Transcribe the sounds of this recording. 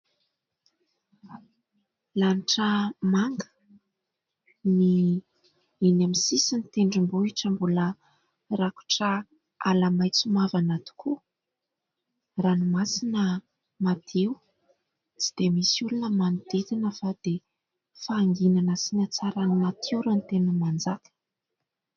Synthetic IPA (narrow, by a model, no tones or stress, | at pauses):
laniʈ͡ʂəmaŋɡə̥ | ni | inamisisinit̪eɳɖ͡ʐimbuiʈ͡ʂəmbulə | raku̥ʈ͡ʂə | alamajt͡sumavanat̪i̥ku | ranumasinə | mat̪ʰeu | t͡si̥d̪̥emisulunəmanid̪et̪inəfad̪̥e | faːŋɡinanəsinʲat͡saɾanimat̪ʰewɾant̪enəmand͡zakə̥